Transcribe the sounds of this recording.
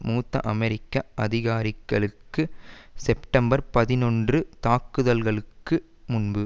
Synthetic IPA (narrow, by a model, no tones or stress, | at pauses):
muːt̪ːɐ̰ʔɐmɛɾɪkːɐʔɐðɪɣaːɾɪkːɐɭɯkːɯsɛpʈɐmbɐɾpɐðɪnɔndrɯt̪aːkːɯðɐlɣɐɭɯkːɯ | mʊnbɯ